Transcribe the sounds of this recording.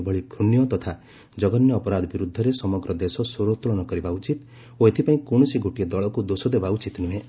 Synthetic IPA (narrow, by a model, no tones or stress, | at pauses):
bʱɔɭiɡʰʱɾunjɔt̪ɔt̪ʰa | d͡ʒɔɡɔnjɔːpɔɾad̪ɔbiɾud̪ʱːɔɾesɔmɔɡɾɔd̪esɔsoɾot̪uɭɔñɔkɔɾibaut͡ʃit̪ | oet̪ʰipaĩkonɔsiɡʱoʈied̪ɔɭɔkud̪osɔd̪ebaut͡ʃit̪nũɦe